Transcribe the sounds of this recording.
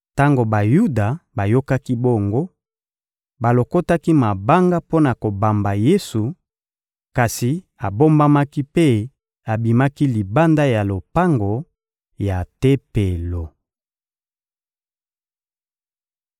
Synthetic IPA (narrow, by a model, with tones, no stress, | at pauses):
ta˦ŋɡo˨ba˨ju˦da˨ba˨jo˦ka˦ki˦bo˦ŋɡo˦ | ba˨lo˨ko˦ta˦ki˦ma˨ba˦ŋɡa˦po˦na˨ko˨ba˨mba˨je˦su˨ | ka˨si˨ | a˨bo˦mba˦ma˦ki˦pe˦ | a˨bi˨ma˦ki˦li˨ba˦nda˦ja˨lo˨pa˦ŋɡo˨ | ja˨te˦pe˨lo˨